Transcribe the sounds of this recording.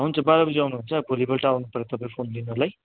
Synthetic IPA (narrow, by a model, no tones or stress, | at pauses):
aɦunt͡sʰʌbalabʌd͡ziawnuɦunt͡sʰʌbʱolibʌlʈaawnupʌɾet̪ʌpaĩpʰonlinorlaj